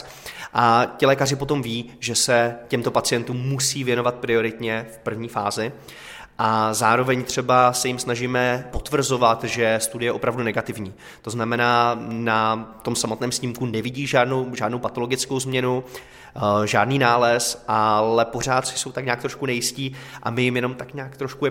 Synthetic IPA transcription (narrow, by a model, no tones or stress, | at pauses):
ʔacɪlɛːkar̝ɪpo̞t̪o̞mviːʒɛsɛcɛmt̪o̞pat͡sɪjɛnt̪uːmːusiːvjɛno̞vat̪̚pɾɪo̞ɾɪt̪ɲɛfpr̩vɲiːfaːzɪ | ʔazaːɾo̞vɛɲt̪r̝̥ɛbasɛjɪmsnaʒiːmɛpo̞t̪vr̩zo̞vat̪ʒɛst̪udɪjɛjɛʔo̞pɾavdunɛɡat̪ɪvɲiː | t̪o̞znamɛnaːnat̪o̞msamot̪nɛːmsɲɪmkunɛvɪɟiːʒaːdnowʒaːdnowpat̪o̞lo̞ɡɪt͡sko̞wzmɲɛnu | ʒaːdniːnaːlɛsʔalɛpo̞r̝aːt̪sɪ̥so̞wt̪akɲaːk̚t̪ɾo̞ʃkunɛjɪsciːʔa̰mɪjɪmjɛno̞mt̪akɲaːkt̪ɾoʃkujɛ